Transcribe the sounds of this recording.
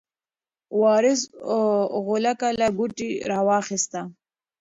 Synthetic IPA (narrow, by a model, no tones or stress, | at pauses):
wɑɾɪs | ɣʊlakalaɡʊʈiɾɑwɑxɪst̪a